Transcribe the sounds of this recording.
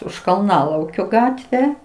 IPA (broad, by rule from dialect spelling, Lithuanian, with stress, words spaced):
ʊʃ kɐlˠˈnɑːlˠɐʊkʲoː ˈɡɑːtʲʋʲɛ